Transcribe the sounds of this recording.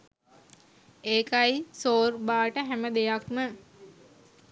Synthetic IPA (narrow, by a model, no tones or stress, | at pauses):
eːkajsoːrbaːʈəɦæməd̪ejakmə